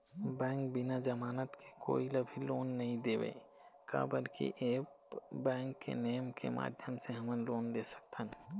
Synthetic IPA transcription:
bɛ̃ːŋk̚bɪnad͡ʒəmaːnət̪kʰeko̰ːiləbʱiloːnːɐɦĩd̪eːʋḛː | ka̰ːbəɾkḭʔeːp | bɛ̃ːŋkːḛnəjəmkḛma̰ːd̪ʱjəmseɦəmənloːnd̪eːsə̥k̚t̪ʰən

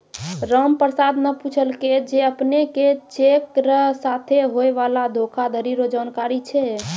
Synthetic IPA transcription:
ɾəmpəɾsad̪neput͡ʃʰəlked͡ʒeəpneket͡ʃekɾəsat̪ʰeɦoeʋalad̪ʱokʰad̪ʱəɾiɾod͡ʒankaɾit͡ʃʰɛ

